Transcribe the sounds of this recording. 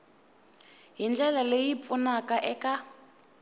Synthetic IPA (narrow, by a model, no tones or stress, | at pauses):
ɦind͡ɮɛlalejip̪funakaʔɛka